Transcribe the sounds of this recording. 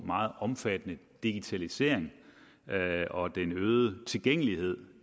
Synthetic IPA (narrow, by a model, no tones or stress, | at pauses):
mɑ̈ːð̩ˠɒ̽mfæd̥ənəd̥iɡ̥it͡sʰælise̝̰ɐ̰eŋ | ɒ̽d̥enøːð̩ˠət͡sʰe̝lɡ̥eŋ̰əlihe̝ð̞̰ˠ